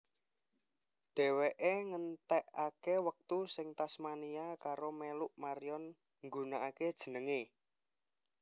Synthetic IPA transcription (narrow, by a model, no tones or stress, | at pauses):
ɖ̥ɛ̤weʔeŋənt̪ɛʔakewək̚t̪usɪŋt̪asmaniakaɾomeluʔmaɾijɔn | ŋɡṳnaʔaked̥ʒ̥ə̤nəŋe